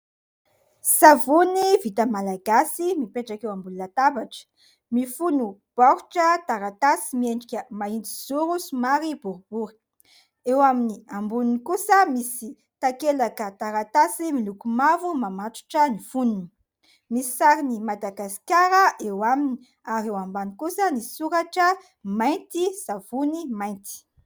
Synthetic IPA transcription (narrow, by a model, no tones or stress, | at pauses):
savunivit̪əmalaɡasimipeʈ͡ʂakewambulunat̪abaʈ͡ʂə̥ | mifunub̥aɦuʈ͡ʂət̪aɾat̪asimieɳɖ͡ʐikʲəmaind͡z̪iz̥uɾusumaɾibuɾub̥uɾi̥ | ewaminiambulunikusəmisi | t̪akelakət̪aɾat̪asimilukumavumamat̪u̥ʈ͡ʂənifununi | misi̥saɾinimad̪aɡasi̥kʲaɾəʔewamini | aɾewambanikusənisuɾaʈ͡ʂə | majnt̪iz̥av̥unimajnt̪i̥